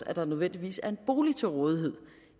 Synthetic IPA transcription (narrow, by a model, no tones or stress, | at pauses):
æd̥ɑ̈nøð̞ˠʋen̰d̥iʋḭːsæɐe̝nb̥o̝ːlit͡sʰe̝lʁɔːð̞ˠiɦe̝ð̰ˠ